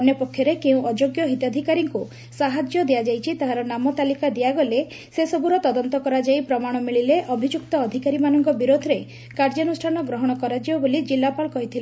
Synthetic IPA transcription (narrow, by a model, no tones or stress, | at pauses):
ɔnjɔpɔkʰːjɔɾekeũʔɔd͡ʒoɡjɔɦit̪ɔd̪ʱikaɾiŋku | saɦad͡ʒjɔd̪ead͡ʒajt͡ʃʰit̪aɦaɾɔnamɔt̪alikad̪iaɡɔle | sesɔbuɾɔt̪ɔd̪ɔnt̪ɔkɔɾad͡ʒajpɾɔmaɽ̃ɔmiɭileʔɔbʱid͡ʒuk̚t̪ɔːd̪ʱikaɾimanɔŋkɔbiɾod̪ʱɾe | kaɾd͡ʒɔnusʈʰanɔɡɾɔɦɔɽ̃ɔkɔɾad͡ʒibɔbolid͡ʒilːapalkɔɦit̪ʰile